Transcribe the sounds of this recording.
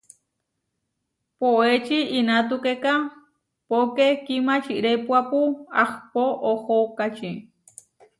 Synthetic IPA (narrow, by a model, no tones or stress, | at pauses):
poet͡ʃiinat̪ukeka | pokekimat͡ʃiʔɾepuapuaxpoʔohokat͡ʃi